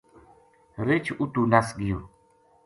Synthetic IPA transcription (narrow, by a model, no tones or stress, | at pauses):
ɾet͡ʃʰut̪unasɡijo